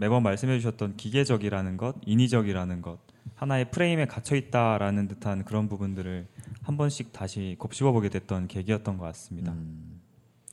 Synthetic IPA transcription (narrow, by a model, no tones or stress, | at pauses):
me̞bʌmːaɭs͈ɯmɦe̞d͡ʑuɕʰʌt̚t͈ʌnkiɡe̞d͡ʑʌɡiɾanɯnɡʌdinid͡ʑʌɡiɾanɯnɡʌt̚ | hanae̞pʰɯɾe̞ime̞kat͡ɕʰʌit̚t͈aɾanɯntɯtʰankɯɾʌnpubundɯɾɯɭhambʌnɕ͈ik̚taɕʰikop̚ɕ͈ibʌboɡe̞dwe̞t̚t͈ʌnke̞ɡiɦʌt̚t͈ʌnɡʌk͈as͈ɯmɲida